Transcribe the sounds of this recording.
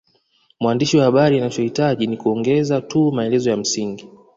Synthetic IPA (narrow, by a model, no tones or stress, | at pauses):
mwandiʃiwahaɓaɾianat͡ʃɔhitaʄinikuɔŋɡɛzatʰumaɛlɛzɔjam̩siŋɡi